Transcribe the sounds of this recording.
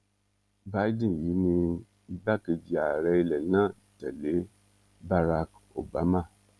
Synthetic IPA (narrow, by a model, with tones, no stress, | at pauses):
ba˦i˦dĩ˦˨ji˨˦nĩ˧ | i˧ba˦ke˧d͡ʒi˧a˨ɾɛ˧i˧lɛ˨nãː˦˨tɛ˨le˨˦ | ba˧ɾa˧k | o̰˨ba˨˦ma˦˨